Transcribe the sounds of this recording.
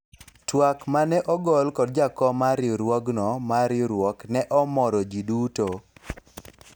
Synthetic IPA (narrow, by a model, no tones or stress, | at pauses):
twakmanɛʔɔɡɔlkɔd̚d͡ʒakɔmaɾɪɾwɔɡnɔmaɾɪɾwɔknɛʔɔmɔɾɔd͡ʒiduto